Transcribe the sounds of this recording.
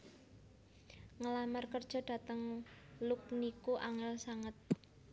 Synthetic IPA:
ŋəlamarkərd̥ʒ̥ɔ̤d̥a̤t̪əŋluk̚nikuʔaŋɛlsaŋət̪̚

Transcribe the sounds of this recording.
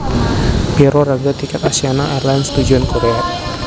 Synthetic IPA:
b̥ɛɾɔɾaɡat̪ikɛt̪asianaʔɛrlanst̪ud͡ʒuɔnkoɾea

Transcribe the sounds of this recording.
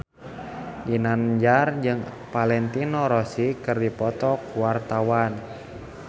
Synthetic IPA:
dinand͡ʒard͡ʒɨŋ | palɛnt̪inoɾɔsikɨrdipɔt̪ɔkuwart̪awan

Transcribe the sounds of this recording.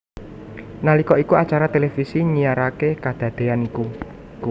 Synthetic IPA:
nalikɔʔikuat͡ʃaɾat̪elefisiɲijaɾakekad̪̥ä̤d̪̥e̤aniku

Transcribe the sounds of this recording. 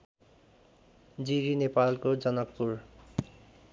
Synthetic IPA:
d͡ziɾinepalkod͡zʌnʌk̚puɾ

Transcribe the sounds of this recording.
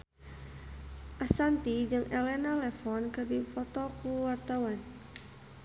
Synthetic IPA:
ʔasant̪id͡ʒɨŋʔɛlɛnalɛfɔnkɨrdipɔt̪ɔkuwart̪awan

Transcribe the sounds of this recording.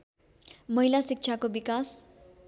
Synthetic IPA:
mʌɦilasik̚t͡ʃʰakobikas

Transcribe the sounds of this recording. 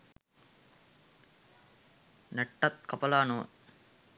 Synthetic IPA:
nəʈːɐt̪̚kɐpɐlaːno̰ː

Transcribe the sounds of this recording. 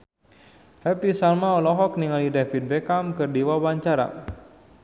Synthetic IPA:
hɛpisalmaɔlɔɦɔk̚niŋalidɛfit̪̚bɛkamkɨrdiwawaɲt͡ʃaɾa̰

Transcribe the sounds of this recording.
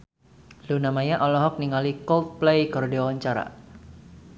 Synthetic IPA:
lunamajaʔɔlɔɦɔk̚niŋalikɔlt̪̚plejkɔrdewaɲt͡ʃaɾa̰

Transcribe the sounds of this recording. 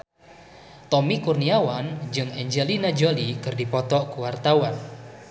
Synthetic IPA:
t̪ɔmikurniawand͡ʒɨŋɛɲd͡ʒɛlinad͡ʒolikɨrdipɔt̪ɔʔkuwart̪awan

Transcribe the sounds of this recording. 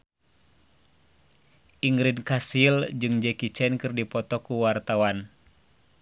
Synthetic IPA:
ʔiŋɾinkasild͡ʒɨŋd͡ʒɛkit͡ʃɛnkɨrdipɔt̪ɔkuwart̪awan

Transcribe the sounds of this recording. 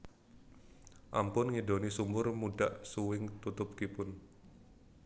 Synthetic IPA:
ʔa̰mpʊnŋidonisumbʊrmuɖaʔsuwɪŋt̪ut̪ʊp̚kipʊn

